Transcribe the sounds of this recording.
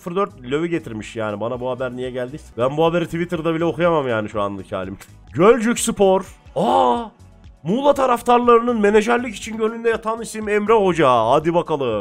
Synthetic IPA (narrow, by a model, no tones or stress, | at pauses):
fɾd̪øɾt̪̚lʲøviɟe̞t̪ʰiɾmiʃjaːnibanabuhabæɾnijɛɟælʲd̪ibænbuɦabe̞ɾit̪ʰivit̪ʰɯɾd̪abilʲɛo̞xujamamjaːniʃuanlˠɯcʰha̰ːlʲim | ɟølʲd͡ʒycsɯpʰo̞ɾ | a | muːlˠat̪ʰaɾaft̪ʰaɾlˠaɾɯnɯnme̞ne̞ʒaɾlʲˠici̥t͡ʃʰinɟølynd̪ɛjat̪ʰanisimɛmɾɛɦo̞d͡ʒaad̪ibakalˠɯ